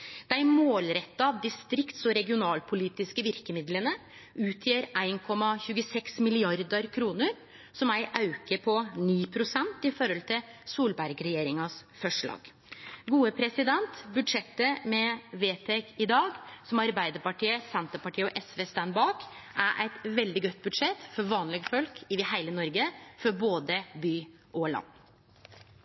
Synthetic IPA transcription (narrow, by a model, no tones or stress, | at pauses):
d̪̥æɪmoːlɾɛt̪ːɑɑʋd̪ɪst̪ɾɪkt̪sɔɾɛɡɪʊnɑːlpʰʊliːt̪ɪskəʋɪɾkəmɪd̪lənə | ʉːt̪ʰjeːɾʔæɪnkʰɔmːɑçʉːɡəsɛksmɪlɪɑɾd̪əɾkʰɾuːnəɾ | sɔmæɪʔɑʉkəpʰɔniːpʰɾʊsɛnt̪ɪfɔɾhɔlt̪ʰɪsuːlbæɾɡɾɛjeːɾɪŋɑsfɔʂɭɑ̰ːɡ̥ | ɡuːəpʰɾɛsɪd̪ɛnt̪bʉd̪ʂɛt̪ːəmɛʋeːt̪ʰɛkɪd̪ɑːɡsɔmɑɾbæɪd̪əɾpɑʈʰiːəsɛnt̪əpɑʈʰiːəɔʔɛsʋeːst̪ɑnbɑkʔæɾʔæ̰ɪt̪ʋɛld̪ɪɡœt̪̚ːbʉd̪ʂɛt̪fɔɾʋɑːnlɪɡfɔlkɪhæɪlənɔɾɡəfɔɾboːd̪əbyː | ʔɔlɑ̰nː